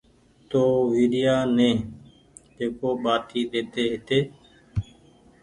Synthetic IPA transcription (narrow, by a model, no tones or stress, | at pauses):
t̪oːʋiːɗɪjaːnẽː | d͡ʒeːkoːɓaːt̪ʰiːɗ̪eːt̪eːɦɪt̪eː